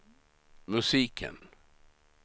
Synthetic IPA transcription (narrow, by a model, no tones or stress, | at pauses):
mɵsiːkʰə̰n